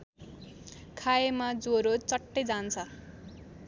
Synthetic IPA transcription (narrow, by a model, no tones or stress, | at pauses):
kʰajemad͡zoɾot͡sʌʈːejd͡zant͡sʰʌ